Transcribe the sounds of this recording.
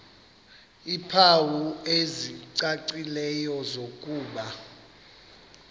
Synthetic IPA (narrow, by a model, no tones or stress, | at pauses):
ipʰawueziǀaǀilɛjɔzokʼuːɓa